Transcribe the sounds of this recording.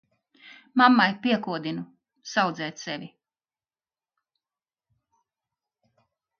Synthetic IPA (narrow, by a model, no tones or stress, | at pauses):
mamːajpʲiɛkuɔd̪inu | sawd̪zɛːt̪sɛvʲi